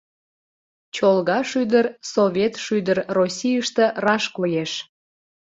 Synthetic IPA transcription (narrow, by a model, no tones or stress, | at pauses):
t͡ɕolɣɑʃyd̪ərsovʲet̪ʃyd̪ərrosʲijəʃt̪ə̆rɑʃkojeʃ